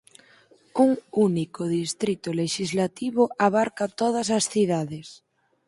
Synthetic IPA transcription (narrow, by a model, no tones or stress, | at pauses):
uŋunikoðist̪ɾit̪oleʃizlat̪iβoaβaɾkat̪oð̞asasθiðaðes